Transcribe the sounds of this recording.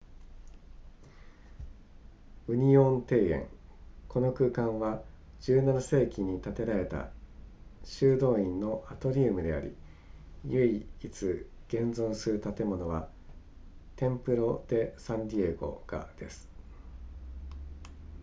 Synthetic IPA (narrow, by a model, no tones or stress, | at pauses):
ɯ̟ɲ̟iõ̞nt̪e̞ːẽ̞̰ŋkʰo̞no̞kɯ̟ːkãɰ̃βa | d͡ʑ̥ɨːnanase̞ːkʲiɲ̟it̪at̪e̞ɾaɾe̞t̪a̰ | ɕɨːd̪o̞ːĩnːo̞ʔat̪o̞ɾʲiːmɯ̟d̪e̞a̰ɾʲḭ | jɯiit͡sɨɡ̥ẽ̞nd͡zõ̞ɰ̃sɨɾɯ̟t̪at̪e̞mo̞no̞βa | t̪ẽ̞mpɯ̟ɾo̞d̪̥e̞sãɲd̪ʲie̞ɡo̞̰ɡ̥a̰d̪̥e̞sɨ̥